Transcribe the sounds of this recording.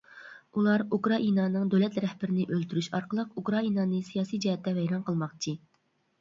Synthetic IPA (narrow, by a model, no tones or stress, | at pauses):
ulˠɑɾukɾɑʔinɑːnɨŋd̪ølɛt̪ɾɛhbɪɾɪnɪʔølt̪ʰyɾyʃɑɾqʰəlˠəqukɾɑinɑːnɨsijɑːsijd͡ʒɛhɛt̪ʰːɛvɛjɾɑnqʰəlˠmɑqt͡ʃʰɨ